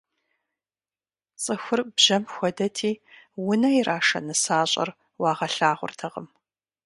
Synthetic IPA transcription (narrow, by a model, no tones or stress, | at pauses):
t͡sʼɨxʷʊrbʒ̥ɐmxʷɔdɐtʰiːwʊnɐirʔaːʂɐ̰nɨsaːɕʼɐ̰r | wɑːʁɐɬaːʁʷʊ̰rtʰɐʁə̰m